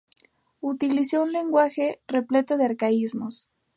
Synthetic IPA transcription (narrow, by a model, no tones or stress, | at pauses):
ut̪iliso̞unle̞ŋɡwaxe̞re̞ple̞t̪oðeaɾkaizmos